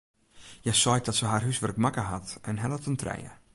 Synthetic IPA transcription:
jɛjsɔj̚dɔtsəɦaːrɦysʋərk̚makəɦatɛnɦɛlətəntʰrɛ̰jə̰

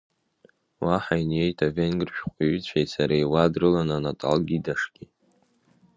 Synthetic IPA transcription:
wʔaħainje̞jtʰavenɡɨrʃᶣqʷʼiɥit͡ɕʷʰajsaɾaiwadrɨlananatʼa̰lɡʲidaʂɡ̥ʲi

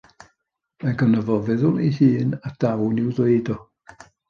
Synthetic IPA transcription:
manɡənəvɔvɪðʊlˠḭhiːnad̥awnɪwðweɨdɔ

